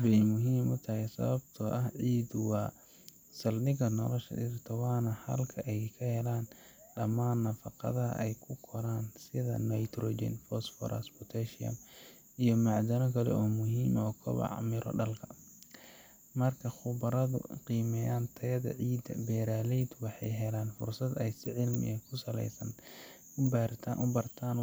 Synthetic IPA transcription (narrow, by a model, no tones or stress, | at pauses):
bɛjmʊɦiːmʔʊt̪ʰɐhɛsɐ̰βɐbt̪ʰɔʔɐhʕiːd̪wɑː | sɐlnɪɣɐnɔlɔʃɐ̰dɪrt̪ʰɐwɑːnɐhɐ̰lkʰɐʔɛjkʰɐhɛlaːn | ɖɐmaːnːɐfɑqɐ̰ðɐɦɐ̰ʔɛjkʰʊkʰɔɾaːnsɪðɐ̰nɐjt̪ʰɾɔːd͡ʒɛ̰nfɔsfɔ̰ɾɐ̰sbʊt̪ʰɛʃɪɐ̰m | ʔijɞmɑʕd̪ɐnɔkʰɐlɛ̰ɔːmʊɦiːmɔːkʰɔ̰βɑ̰ʕmɪɾɔ̰ɖɐlkʰɐ | mɐrkʰɐχʊbɐɾɐðʊ̰qiːmɛjaːnt̪ʰɐjɐðɐ̰ʕiːd̪ɐ̰bɛːɾaːlɛjd̪wɑħɑjɦɛlaːnfʊ̰rsɐd̪ɛjsɪʕɪlmɪ̰ɐkʰʊsɐlɛ̰jsɐn | ʊbrt̪ʰːʊbɐrt̪ʰaːn